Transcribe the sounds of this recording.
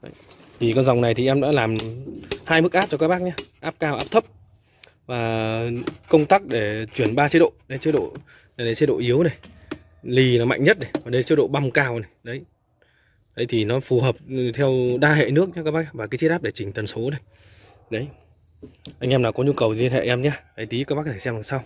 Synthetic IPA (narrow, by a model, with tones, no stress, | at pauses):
ɗə̰˨˦j | t̪ʰi˨˩kɔ˧nza˨˩wŋ͡mna˨˩jt̪ʰi˨˩ʔɛ˧mɗa̰ː˧˥laː˨˩mhaː˧jmɨ˦˥k̚ʔaː˦˥p̚t͡ɕɔ˧kaː˦˥k̚ɓaː˦˥k̚ɲaː˧ʔaː˦˥p̚kaː˧wʔaː˦˥p̚t̪ʰə˦˥p̚ | vaː˨˩ | kə˧wŋ͡mt̪aː˦˥k̚ɗe˧˩t͡ɕwi˧˩ənɓaː˧t͡ɕi˦˥ɗo̰˧˨ɗə˨˦t͡ɕ̚ɗo̰˧˨ | na˨˩jɗə˨˩t͡ɕi˧˦t̚ɗo̰˧˨ʔi˨˦əwna˨˩j | li˨˩nɔ˨˦ma̰˧˨j̟ɲə˦˥t̚na˨˩jvaː˨˩ɗə˧t͡ɕtɗo̰˧˨ɓa˧wŋ͡mkaː˧wna˨˩jɗə˨˦j | ɗə˨˦jt̪ʰi˨˩nɔ˨˦fu˨˩ɦəː˨˩p̚t̪ʰɛ˧wɗaː˧ɦḛ˧˨nɨ˦˥ək̚ɲa˧kaː˦˥ɓaː˦˥ɲa˧˩vaː˨˩kaː˨˦t͡ɕt̚ʔaː˦˥ɗe˧˩t͡ɕï˨˩ŋ̟t̪ə˨˩nso˨˦na˨˩j | ɗə˨˦j | ʔa˧jŋ̟ʔɛ˧mnaː˨˩kɔ˨˦ɲu˧kə˨˩wi˧ənhḛ˧˨ʔɛ˧mɲaː˧ɗə˨˦jt̪i˨˦kaː˧˦˥ɓaː˦˥kt̪ʰa˧˩sɛ˧maː˨˩sa˧w